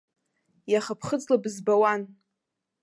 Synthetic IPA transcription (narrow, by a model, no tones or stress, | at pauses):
jaχapʰχəd͡zlabɨzbawan